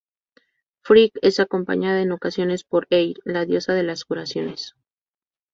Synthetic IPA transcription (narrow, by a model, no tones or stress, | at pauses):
fɾike̞sako̞mpa̰ɲaðaeno̞kasjo̞ne̞spo̞ɾejɾlaðjo̞saðe̞laskuɾasjo̞ne̞s